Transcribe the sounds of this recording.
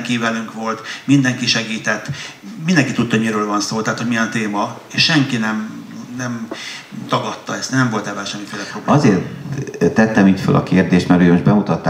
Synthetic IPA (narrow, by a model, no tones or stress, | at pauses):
ŋkivɛlyŋkʋo̞lt̪mind̪ɛŋkiʃɛɡiːt̪ɛt̪ːmind̪ɛŋkit̪ut̪ːɒmiɾøːlvɒnsoːt̪ɛɦːt̪homijɛnt̪eːmɒeːʃʃɛŋkinɛmnɛm | t̪ɒɡɒt̪ːɒɛst̪nɛɱvo̞lt̪ɛvaːʃɛmːifeːlɛpro̞bɒzeːrt̪ːɛt̪ːɛmiːcfø̰lʔɒ̰keːrd̪eːʃt̪mɛɾøːjmoʒbɛmut̪ɒt̪ːa